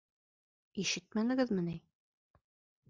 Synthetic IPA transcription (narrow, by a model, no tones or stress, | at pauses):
iʃɘt̪̚mænɘ̆ɡɘðmɘ̆ni